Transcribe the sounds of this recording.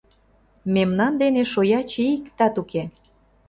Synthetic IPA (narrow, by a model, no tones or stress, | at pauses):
memnɑnd̪eneʃojɑt͡ɕeikt̪ɑt̪uke